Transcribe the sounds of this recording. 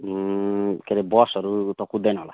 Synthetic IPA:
keɾebɔsɔɾut̪ɔkud̪enɔla

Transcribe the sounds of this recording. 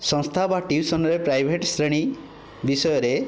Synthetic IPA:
sɔ̃ŋst̪ʰabaʈiwsɔnɔɾepɾajbʱeʈsɾeɽ̃i | bisɔjɔɾe

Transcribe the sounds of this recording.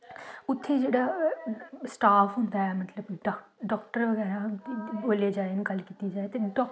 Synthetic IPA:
ʊt̪ʰːed͡ʒeːɽaː | sʈaːfʰɦʊ̃nd̪aɛːmət̪ləbɖɖɔːkʈəɾʋəɣɛːɾaboːled͡ʒaːenɪkəlkiːt̪id͡ʒaːet̪eɖɔː

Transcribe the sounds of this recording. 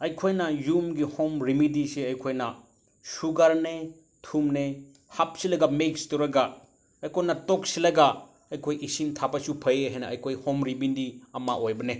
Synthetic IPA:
ɐjkʰojnɐjumɡihomɾimidiseɐjkʰojnɐ | suɡaɾne | tʰumne | hap̚silɐɡamekstoɾɐɡa | ɐjkʰojnɐtok̚silɐɡa | ɐjkʰojisintʰabɐsupʰɐjeɦejnɐɐjkʰojhomɾibindiɐmaʔojbɐne

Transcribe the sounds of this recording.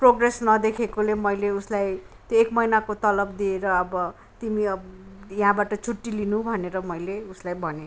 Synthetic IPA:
proɡresnʌd̪ekʰekolemʌjleuslaj | t̪joekmʌjnakot̪ʌlʌbd̪ieɾʌːbʌ | t̪imiʌjɦãbaʈʌt͡sʰuʈːilinũbʱʌneɾʌmʌjleuslajbʱʌne

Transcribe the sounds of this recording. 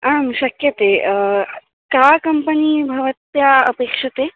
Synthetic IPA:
amɕəkjət̪e | kakəmpəniːbʱɐʋət̪jaə̰pekʂət̪e

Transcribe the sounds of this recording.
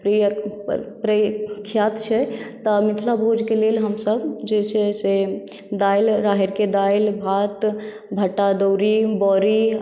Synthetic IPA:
pɾijəpɾəkʰːjat̪t͡ʃʰɛt̪əmit̪ʰlabʱod͡ʒkelelɦəmsəbd͡ʒet͡ʃʰɛse | d̪ajlɾaɦeɾked̪ajlbʱat̪ | bʱəʈːad̪əwɾibɔɾi

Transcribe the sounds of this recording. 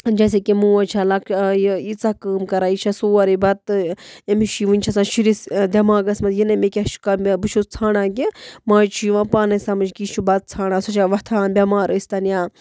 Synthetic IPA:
d͡ʒɐs̬ekimuːɐt͡ʃʰalɐkjit͡sakəːmkɐɾaːit͡ʃʰasuːɐɾibɐt̪emiʃiʋɨnʲt͡ʃʰɐsãːʃiɾisd̪ʲɐmaːɡɐsmɐt̪jinɐmekʲeʃkabɨt͡ʃʰut͡sʰaːnãːkimãːt͡ʃʰiʋãːpaːnɐsamɐt͡ʃkit͡ʃʰubɐt̪̚t͡sʰaːɽãːsot͡ʃʰaʋɐt̪ʰaːnbʲɐmaːɾəsʲt̪ɐnjaː

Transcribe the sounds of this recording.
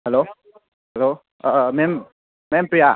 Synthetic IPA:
hɛlo | hɛlo | mem | mɛmpɾija

